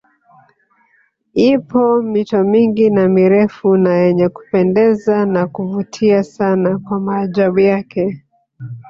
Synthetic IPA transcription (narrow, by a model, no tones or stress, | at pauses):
ipɔmitɔmiŋɡinamiɾɛfunajɛɲɛku̥pɛndɛzanakuvutʰiasanakwamaːʄaɓujakɛ